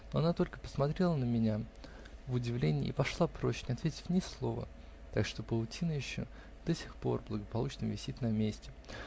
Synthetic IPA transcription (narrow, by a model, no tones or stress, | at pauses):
noɐnat̪o̞lʲkə̥pə̥smɐt̪ɾʲe̞lˠənəmʲɪnʲa | vʊdʲɪvlʲenʲɪ̰ːpɐʂlˠapɾo̞t͡ɕɪnʲɪɐt̪vʲetʲɪ̥fʲnʲɪslˠo̞və̰ | t̪akʂt̪o̞pəlˠʊtʲinəjɪɕːo̰ | d̪̥osʲɪ̥xpo̞rblˠəɡəpɐlˠut͡ɕnəvʲɪsʲit̪ʲnɐmʲesʲtʲɪ